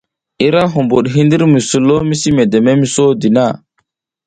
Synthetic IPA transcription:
i˦ɾa˦ɦu˨mbu˨ɗɦi˦ndi˦ɾmi˨su˨lo˦mi˦si˦me˨de˨me˦mi˨so˦di˨na˦˨

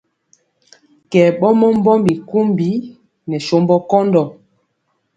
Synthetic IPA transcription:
kɛː˨ɓɔ˦mɔ˦m˦bɔ˦mbi˨ku˦mbi˨˦ | nɛ˨ʃo˨˦mbɔ˦kɔ˦ndɔ˨

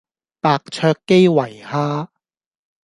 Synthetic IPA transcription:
paː˧k̚t͡ʃʰœː˧kːe˥jwɐ˨˩jhaː˥

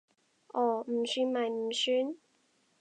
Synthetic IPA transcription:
ʔɔː˨˩m̩˨˩syː˧˥nmɐ˨jm̩˨˩syː˥n

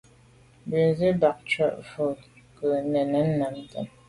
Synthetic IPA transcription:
bi˨n˨zi˦ba˨k̚t͡ʃɥə˦˨ʔfu˨ | kə˨nɛ˨nɛ˨˦n̩˦na˨n˦tɛ̰˨m

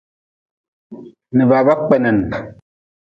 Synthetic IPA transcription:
nɨ˨ba˨ba˦k͡pɛ˦˨nɛ˨n˨

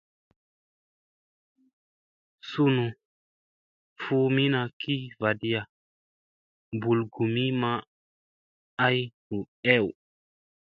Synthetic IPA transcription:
su˦nu˨ | fu˦mi˦na˨ki˦va˨di˦ja˨ | bu˨lɡu˨mi˦ma˦ | a˦jtu˨ | ɛ˦˨w

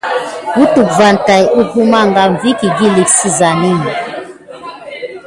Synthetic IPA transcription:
bu˦tu˨kva˨n˨ta˨ju˦ku˦ma˦ŋɡa˦ɱ˨vi˦ki˨ɡi˦li˨ksi˦za˨ni˦ni˨

